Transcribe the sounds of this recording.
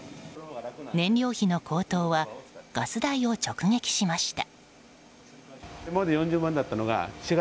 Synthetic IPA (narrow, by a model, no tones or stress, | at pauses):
nẽ̞nɾʲo̞ːçino̞kʰo̞ːt̪o̞ːβaɡ̥asɨd̪aio̞t͡ɕo̞kɯ̟ŋe̞kʲi̥ɕimaɕi̥t̪a̰ | mod̪ejõɲ̟d͡ʑɨːmãnd̪at̪ːano̞ɡa̰ɕiɡa